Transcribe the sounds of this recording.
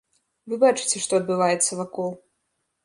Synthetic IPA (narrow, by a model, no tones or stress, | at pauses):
vɨbat͡ʂɨ̥t͡sʲɛʂt̪ɔɐd̪̚bɨvajɛt̪sːɐvakɔlˠ